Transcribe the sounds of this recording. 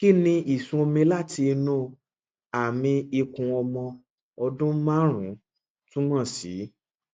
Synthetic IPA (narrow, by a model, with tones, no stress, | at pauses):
ki˦˨nĩ˧ʔi˦˨sũ˧o˧mĩ˧la˦˨ti˧nũ˦˨ | a˨mĩ˧i˧kũ˧ɔ˧mɔ̃˧ | ɔ˧dũ˦mã˦ɾ̃ũ˨˦ | tũ˦mã˦˨sḭ˨˦